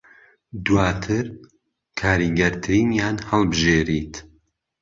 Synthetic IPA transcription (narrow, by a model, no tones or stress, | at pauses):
d̪uwaːt̪ʰɨɾ | kʰaːɾiːɡɐɾt̪ʰɨɾiːnjaːnhɐlˠbɨʒeːɾiːt̪